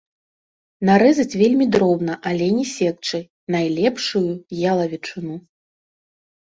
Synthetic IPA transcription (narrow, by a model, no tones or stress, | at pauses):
naɾɛzɐt͡sʲvʲelʲmʲid̪ɾɔbnɐʔalʲɛnʲɛsʲɛk̚t͡ʂɨj | najlʲɛpʂujujalˠɐvʲit͡ʂɨnu